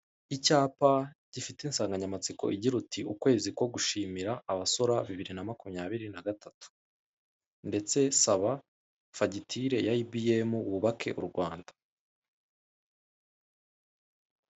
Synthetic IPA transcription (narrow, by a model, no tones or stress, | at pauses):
icaːpaɟ̥ifiteiːnsaːŋɡaɲamat͡siko̞̰ʔiɟiɾutʰiukwe̞ːzikwo̞ɡuʃiːmiɾaːβaso̞ɾaβiβiɾinamakumɲaːβiɾinaɡatʰatu̥ | nde̞t͡se̞saβa | faɟitʰiɾe̞jaibijemuwuβakʰe̞̰ʔṵɾɡwaːndḁ